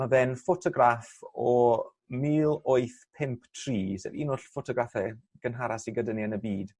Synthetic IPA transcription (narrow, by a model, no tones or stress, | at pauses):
maðɛnfotʰɔɡɾafɔɔ | miːlˠoɨθpʰɪmpʰtʰriːsɛ̰ɾiːnoɬfɔtʰɔɡɾafɛ | ɡ̥ənɦaɾasiɡədəniənəbiːd̥